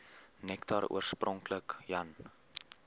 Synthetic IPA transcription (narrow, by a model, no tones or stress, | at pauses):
nɛktʰɑɾṵərsprɔŋkləkjɐn